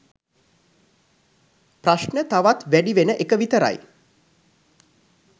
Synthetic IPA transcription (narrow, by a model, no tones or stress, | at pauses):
praʃnət̪aʋat̪ʋæɖiʋenəʔekəʋit̪əɾa̰j